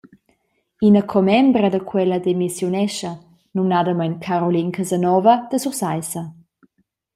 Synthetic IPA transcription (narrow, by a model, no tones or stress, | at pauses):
inəkʰɔmɛmbɾəd̪əkʰwɛləd̪emisjunɛʃə | numnad̪əmajnkʰaɾɔlinkʰəzənɔvəd̪̥əsuɾsajsə